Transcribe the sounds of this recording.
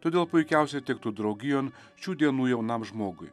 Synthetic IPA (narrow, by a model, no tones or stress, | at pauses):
t̪oːd̪ʲeːlˠpʊɪkʲɛˑʊsʲɛt̪ʲɪkt̪uːd̪ɾɐʊɡʲɪjoːn | ʃʲuːd̪ʲiɛnuːjɛʊnɐmʒmoːɡʊj